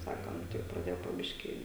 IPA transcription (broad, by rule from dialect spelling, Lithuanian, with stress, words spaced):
ˈsɑːkoːm tʲɪk prɐˈdʲeːjoː poː ˈbʲɪʃʲkʲiː